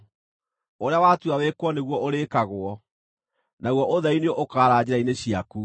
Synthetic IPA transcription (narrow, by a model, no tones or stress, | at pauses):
oɾeawatuawekwɔneɣwɔʔoɾeːkaɣoɔ | naɣwɔʔoðɛineɔʔokaːɾaːd͡ʑeɾaineɕiaku